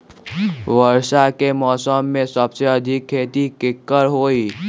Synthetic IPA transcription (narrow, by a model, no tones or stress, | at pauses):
ʋəɾʃakemɔːsəmːẽsəbseəd̪ʱikʰːeːt̪ikɪkːəɾɦoːi